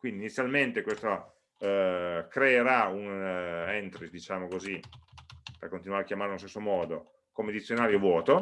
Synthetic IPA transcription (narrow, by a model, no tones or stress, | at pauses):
kwind̪init̪sːjalment̪ekwest̪o | kɾeːɾaunɛnt̪ɾisd̪it͡ʃaːmokozi | perkont̪inwaɾeakjamaɾeoinst̪esːomɔːd̪o | komed̪it̪sːjonaːɾjovwɔːt̪o